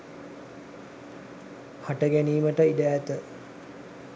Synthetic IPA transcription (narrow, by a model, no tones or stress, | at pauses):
haʈəɡæniːməʈəidæːt̪ə